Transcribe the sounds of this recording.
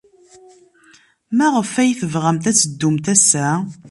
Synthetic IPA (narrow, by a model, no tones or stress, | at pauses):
mæʁəfæjθəvʁæmt̪æt͡sːəd̪ːumt̪æsæ